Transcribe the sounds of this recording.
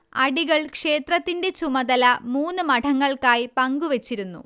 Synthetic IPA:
ɐɽiɣɐɭkʂe̞ːt̪rɐt̪ːinde̞t͡ɕumɐd̪ɐlɐmuːnːɨmɐʈʰɐŋːɐɭkaːjpɐŋɡuʋet͡ɕːiɾunːṵ

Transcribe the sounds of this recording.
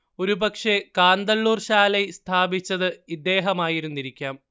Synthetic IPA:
o̞ɾubɐkʂe̞kaːnd̪ɐlːuːrɕaːlɐjst̪ʰaːbit͡ɕːɐðɨid̪ːe̞ːɦɐmaːjiɾunːiɾikʲːaːm

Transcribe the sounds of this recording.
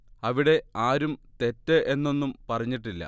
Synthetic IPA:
ɐʋiɽe̞aːɾumt̪e̞tːɨʔe̞nːo̞nːumpɐrɐɲːiʈːilːɐ̰

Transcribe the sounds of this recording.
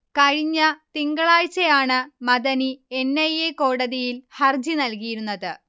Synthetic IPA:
kɐɻiɲːɐt̪iŋɡɐɭaːjt͡ɕːejaːɳɨmɐðɐnienːɐjeko̞ːɽɐðijilhɐrd͡ʑinɐlkijiɾunːɐðɨ

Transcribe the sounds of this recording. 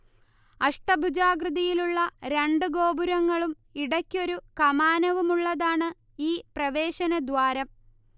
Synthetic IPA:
ɐʂʈɐbʱud͡ʑaːɡrɨðɐjiluɭːɐɾe̞ɳɖɨɡo̞ːbuɾɐŋːɐɭum | iɽɐkʲːio̞ɾukɐmaːnɐʋumuɭːɐðaːɳɨ | iːprɐʋe̞ːɕɐnɐd̪ʋaːɾɐm

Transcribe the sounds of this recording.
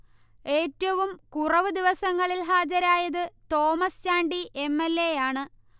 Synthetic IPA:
e̞ːtːɐʋumkurɐʋɨd̪iʋɐsɐŋːɐɭilɦaːd͡ʑɐɾaːjɐðɨt̪o̞ːmɐst͡ɕaːɳɖiʔe̞mːelːejaːɳɨ

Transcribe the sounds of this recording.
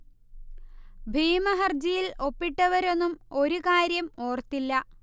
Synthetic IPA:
bʱiːmɐɦɐrd͡ʑijilo̞pːiʈːɐʋɐɾo̞nːumo̞ɾukaːɾjɐmo̞ːrt̪ilːɐ

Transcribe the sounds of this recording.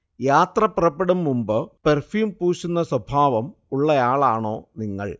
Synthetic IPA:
jaːt̪rɐpirɐpːeɽumːumbɨperfjuːmpuːɕunːɐswɐbʱaːʋɐmuɭːɐjaːɭaːɳo̞ːniŋːɐ̰ɭ

